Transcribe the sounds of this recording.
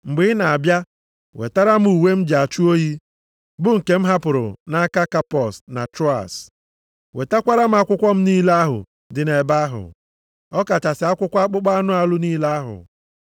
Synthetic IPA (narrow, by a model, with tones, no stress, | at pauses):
ŋ͡m̩˨ɡ͡bɪ˦na˨a˨bja˦ | wḛ˨ta˦ɾa˦m̩˦u˨we˦m̩˦d͡ʒa˨t͡ʃu˦o˦ji˦ | bʊ˦ŋ̩˨ke˨m̩˦ɦa˦pʊ˨ɾʊ̰˨na˦ka˦ka˦pɔ˨sna̰˨tɾɔ˦a̰˨s | we˨ta˦kʷa˦ɾa˦m̩˦a˦kʷʊ˦kʷɔ˦m̩˦niː˦la˦a˦ɦʊ̰˨ | dɪ˨ne˨ba˦ɦʊ̰˨ | ɔ˦ka˨t͡ʃa˨sɪ˨a˦kʷʊ˦kʷa˦a˦k͡pʊ˦k͡pa˦a˦nʊ˦a˨lʊ˦niː˦la˦ɦʊ̰˨